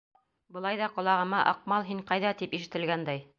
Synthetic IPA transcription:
bɤ̆lˠɑjðɑqɒ̆lˠɑʁɤ̆mɑʔɑq̚mɑlˠɦiɴqɑjðɑt̪ipiʃɘ̆t̪ɘ̆lɡænd̪æj

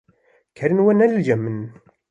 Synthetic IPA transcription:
kæɾənwænælʝæmːən

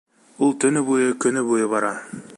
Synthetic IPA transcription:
ulˠt̪ɵ̆nɵbujɤkɵ̆nɵbujɤβɑɾɑ

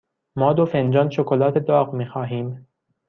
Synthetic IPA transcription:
mɒːd̪ofend͡ʒɒːnʃokʰolɒːt̪ʰed̪ɒːɣmiːxɒːɦiːm

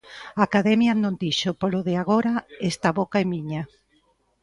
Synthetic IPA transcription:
aːkaðɛmjanõnd̪iʃʊpoloðɪaɣ̞oɾaest̪aβokaemiɲa

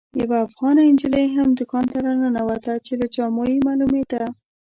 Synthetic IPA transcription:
jawaːfɣɑnaɪnd͡ʒəlejɦamd̪əkɑnt̪aɾananawat̪at͡ʃelat͡ʃɑmojimalumed̪a

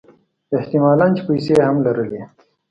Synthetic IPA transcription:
eht̪imaːlaːnt͡ʃi̥pəjseɦɐmlɐɾəle

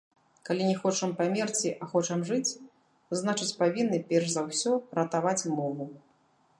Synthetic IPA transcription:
kalʲinʲɛxɔt͡ʂɐmpamʲɛrt͡sʲiʔɐxɔt͡ʂɐmʐɨt͡sʲ | znat͡ʂɨt͡sʲpavʲinːɨpʲɛrʂzawsʲɔrɐt̪avat͡sʲmɔvu

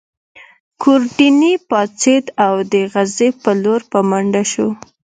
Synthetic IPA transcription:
kʰʊɾɖinipɑt͡sed̪awd̪əɣazepəloɾpəmaɳɖaʃo

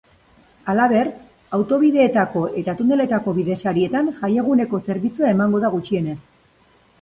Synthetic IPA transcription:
alaβ̞e̞r | awt̪o̞βiðe̞ːt̪ako̞ʔe̞t̪at̪und̪e̞le̞t̪ako̞βiðe̞saɾie̞t̪anʝaje̞ɣ̞une̞ko̞se̞ɾβit͡suae̞maŋɡo̞ð̞aɣ̞ut͡ʃie̞ne̞s

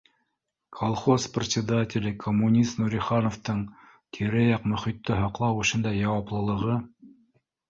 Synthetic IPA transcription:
kʰolˠχosprʲɪt̪sʲɪd̪atʲɪlʲɘkʰomːunʲist̪nuɾʲiχɑnoft̪ɤɴ | t̪ʲʰiɾɘjɑqmɵ̆χit̪ːɘɦɑqlˠɑwɵ̆ʃɘnd̪ɑjɑwɑplˠɤ̆lˠɤ̆ʁɤ

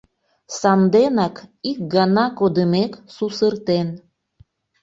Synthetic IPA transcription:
sɑnd̪enɑkik̚ɡɑnɑkod̪əmeksusərt̪en

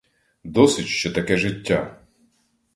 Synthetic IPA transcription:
d̪ɔsʲɪtʲʃt͡ʃɛt̪ɐkɛʒɪtʲːa

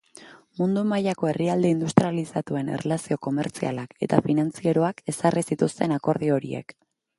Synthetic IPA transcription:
mund̪umajako̞e̞riald̪e̞ind̪ust̪ɾialisat̪ue̞nḛrʔelasio̞ko̞me̞ɾt͡sia̰lake̞̰t̪afinant͡sie̞ɾoake̞sarisit̪ust̪e̞nako̞ɾð̞io̞ɾḭḛk

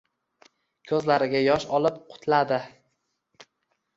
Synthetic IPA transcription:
kʲʰɵzlaɾɪɡʲajɒʃɒlɪpqʰʊ̥t̪ʰlad̪ɪ

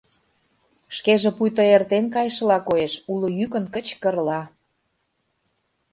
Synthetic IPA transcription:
ʃkeʒĕpujt̪ə̆ert̪enkɑjʃə̆lɑkoeʃulŏjykə̆nkət͡ɕkə̆rlɑ

